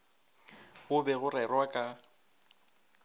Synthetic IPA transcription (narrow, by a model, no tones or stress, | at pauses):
ʊbɛɣʊrɛrwakʼa